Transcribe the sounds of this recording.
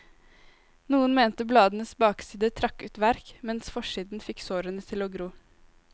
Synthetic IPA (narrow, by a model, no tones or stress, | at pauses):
nuːənmeːnt̪əblɑːd̪n̩əsbɑːksiːd̪ət̪ʰɾɑkʉːt̪ʋæɾkmɛnsfɔʂiːd̪n̩fɪksoːɾənət̪ʰɪloːɡɾuː